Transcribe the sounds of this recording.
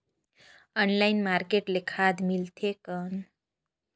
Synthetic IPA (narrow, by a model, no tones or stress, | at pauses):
ənlajnmaɾkeʈlekʰad̪milt̪ʰekən